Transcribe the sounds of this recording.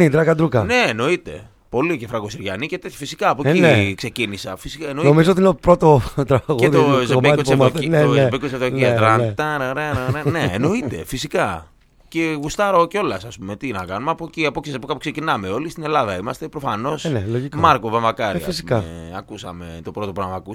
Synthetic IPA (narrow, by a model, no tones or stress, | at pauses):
id̪ɾɐkɐd̪ɾukɐne̞ːno̞it̪e̞̰ | po̞licefɾɐɣosiɾʝɐnice̞t̪et̪çofisi̥kɐːpociekse̞cinisɐfisikaenonomizoot̪iineopɾot̪ot̪ɾɐɣeozeekoenenebeikosevðoiɐt̪ɾɐt̪ɐɾɾeneneːno̞it̪e̞̰fisikɐ | ce̞ɣust̪ɐɾoceo̞lɐsɐspume̞t̪inɐkɐnumeɐpociɐpoksspokɐpuksecinɐme̞o̞list̪ine̞lɐðɐimɐst̪e̞pɾo̞fɐno̞sneloʝikmɐɾkovemɐkɐɾiɐfisi̥ukɐeɐkusɐ̰me̞t̪o̞pɾo̞t̪o̞punɐmɐkus